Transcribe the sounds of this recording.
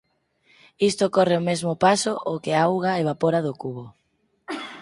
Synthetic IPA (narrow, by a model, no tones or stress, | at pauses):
ist̪okɔreomezmʊpasoʔokeaawɣaeβ̞apoɾaðokuβo